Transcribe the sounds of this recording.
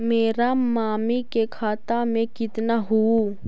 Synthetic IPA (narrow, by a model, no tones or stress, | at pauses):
meːɾamaːmikekʰaːt̪amẽkɪt̪naɦu